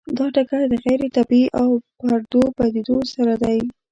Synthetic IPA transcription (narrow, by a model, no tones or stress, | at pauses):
d̪ɑʈakad̪əɣajɾet̪abiʔawpaɾd̪obad̪ed̪osaɾad̪aj